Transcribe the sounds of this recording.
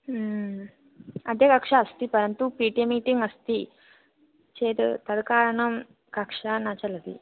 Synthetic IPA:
ɐd̪ʱjekɐkʂaːst̪ipəɾənt̪upiʈemiʈiŋɡɐst̪i | t͡ɕed̪t̪ɐd̪kaːɾɳɐm | kɐkʂanat͡ɕalɐd̪ḭ

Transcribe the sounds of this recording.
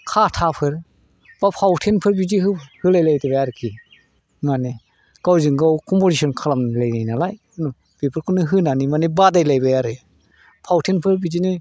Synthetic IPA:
kʰatʰapʰɯɾ | b̥apʰawtʰenpʰɯɾbid͡ʒiɦɯhɯlajlajtʰɯbajaɾɯkʰi | mane | ɡ̥awzɯŋɡawkʰɔmpozisɔnkʰalamlajnajnalaj | ɯnu | b̥epʰɯɾkʰɯnːɯɦɯnanimanebadajlajbajaɾɯ | pʰawtʰenpʰɯɾbid͡ʒinɯ

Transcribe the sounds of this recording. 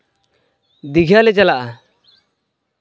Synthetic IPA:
d̪iɡʱjalɛd͡ʒalaʔa

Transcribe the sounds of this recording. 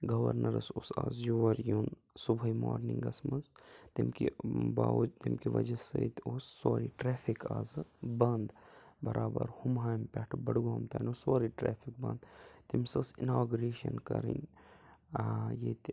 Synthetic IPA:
ɡɐʋɐ̰ɾnɐɾɐsusa̰ːzjuʋɐɾjun | subʱɐima̰ːɾniŋɡɐsmɐnzt̪imkḭbat̪imkiʋɐ̰d͡ʒɐsɐit̪oːsːoːɾiʈɾeːfʰikʰaːzɨbɐnd̪bɐɾʔaːbɐ̰ɾhumɦaːjmpʲɐʈʰbɐɽɡaːmt̪aːnʲosoːɾiʈɾɛːpʰik̚bɐ̰nd̪t̪imsɐsinaːɡuɾeːʃɐ̰nkɐɾḭnʲ | jet̪

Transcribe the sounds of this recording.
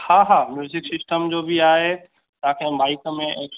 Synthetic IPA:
haːɦaːmjuːzɪksɪsʈəmd͡ʑoːbiaːɦe | t̪ɐ̃ãkʰẽbaːɪkəmẽeː

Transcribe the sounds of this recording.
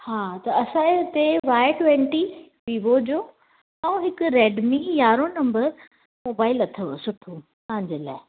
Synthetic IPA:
haːt̪ɐɐsãːeʊt̪eʋaːɪʈʋɛ̃ɳʈiʋiːʋod͡ʑoː | ɐũɦɪkʊɾɛːɖmẽjaːɾonɐ̃mbəɾ | moːbaːɪlɐt̪ʰəsʊʈʰopɐɦɪ̃ɲd͡ʑela̰ːɪ

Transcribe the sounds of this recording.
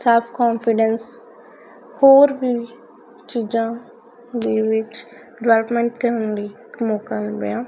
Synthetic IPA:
sɛlpʰkɔːnpʰɪɖəns | hoːɾʋiː | t͡ʃiːd͡ʒãː | d̪iːʋɪt͡ʃ | ɖʋɛləpmɛ̃ːɳʈkəɾənɾiːkmoːkalbḛãː

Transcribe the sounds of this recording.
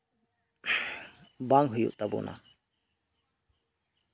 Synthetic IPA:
baŋɦujṵʔt̪abṵnʔa̰

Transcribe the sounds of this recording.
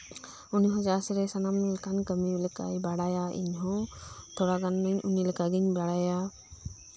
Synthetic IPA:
uniɦɔ̃d͡ʒasɾɛsanamnilkankəmilka̰jbaɽajaʔḭɲɦɔ̃t̪ʰoɽaɡanːəɲunilkaɡiɲbaɽaja

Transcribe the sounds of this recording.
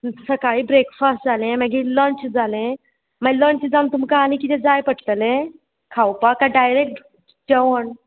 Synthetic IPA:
səkaibɾekfastd͡zʱalẽməɡilənt͡ɕd͡zalẽ | maləɳt͡ɕid͡zant̪umkaːnikit̪ɛd͡zajpəʈt̪lẽ | kʰawpakaɖajɾek̚ʈ | d͡ʑəʋəɳ

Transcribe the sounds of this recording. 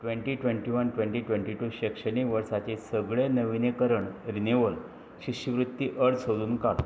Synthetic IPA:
ʈʋeɳʈiːʈʋeɳʈiʋənʈʋẽɳʈiːʈʋẽɳʈiʈuːɕekʂəɽiʋəɾsat͡ɕesəɡɭenəʋinekəɾəɳɾineʋəl | ɕiɕiʋɾut̪ːiʔəɾt͡səluːnkal

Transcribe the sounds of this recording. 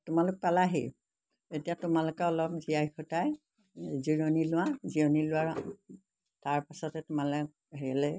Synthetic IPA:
tʊmalʊk̚palaɦḭj | etijatʊmalʊkɛɔlɔp̚ziajxɔtaj | ziɹonilʊwazionilʊwaɹ | taɹpasɔtɛtʊmalɛk | ɦeɛlɛ

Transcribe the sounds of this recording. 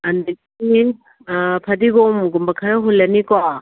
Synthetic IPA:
ɐndɐ | i | pʰɐdiɡɔmɡumbɐkʰɐɾɐɦulːɐnikwa

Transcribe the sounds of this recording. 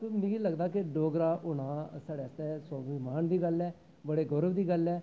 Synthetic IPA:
t̪oːmɪĩːləɡd̪aːk̬ɪɖoːɡɾaːʔʊɽãːsaːɽeːəst̪ɛːsoːʋiːmaːnd̪iːɡəlɛː | bəɽeːɡʊɾəʋd̪iːɡəlɛː

